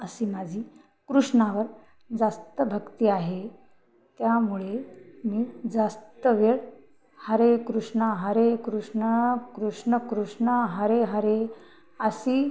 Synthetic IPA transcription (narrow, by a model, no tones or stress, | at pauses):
əsiːmad͡ʑʱiː | kɾuʂɳaʋəɾ | d͡zast̪əbʱəkt̪iːaɦe | t̪jamuɭemiːd͡zast̪əʋeɭ | həɾekɾuʂɳəɦəɾekɾuʂɳəkɾuʂɳəkɾuʂɳəɦəɾeɦəɾe | əsiː